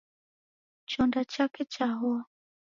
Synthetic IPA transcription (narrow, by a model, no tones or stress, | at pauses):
t͡ʃɔndat͡ʃakɛt͡ʃaɦɔa